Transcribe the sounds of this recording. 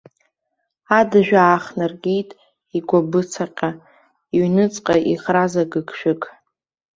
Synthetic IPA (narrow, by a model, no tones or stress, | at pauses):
adɨʒᶣaːχnarɡʲijtʼ | iɡʷabɨt͡sʰaqʲʼa | iɥnɨt͡sʼqʼaʔiχrazaɡɨkʰʃᶣɪkʼ